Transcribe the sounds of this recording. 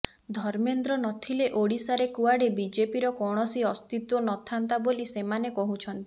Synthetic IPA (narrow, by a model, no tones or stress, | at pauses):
d̪ʱɔɾmend̪ɾɔnɔt̪ʰileʔoɽisaɾekuaɽebid͡ʒepiɾɔkɔɽ̃ɔsiɔst̪it̪wɔnɔt̪ʰant̪abolisemanekɔɦut͡ʃʰɔnt̪i̥